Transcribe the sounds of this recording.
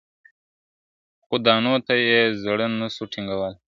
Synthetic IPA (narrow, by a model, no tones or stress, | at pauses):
xʊd̪ɑːnot̪ajezɽənːəsuʈʰiŋɡawəl